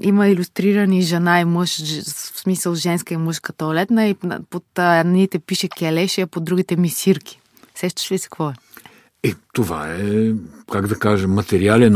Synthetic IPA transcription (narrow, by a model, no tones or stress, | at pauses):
iməilʲust̪ɾiɾəniʒɛnaiməʃsmisəlˠʒɛnskəimɤʃkət̪olɛt̪nəḭpot̪ːɛnnit̪ɛpiʃɛkʲɛlɛʃiɐpod̪ɾuɡit̪ɛmisiɾkʰʲi̥ | sɛʃt̪ə̥ʃvisɛ̥kvɔɛ | ɛt̪ova̰ɛkaɡd̪ɐkaʒəmːɐt̪ɛɾialɛn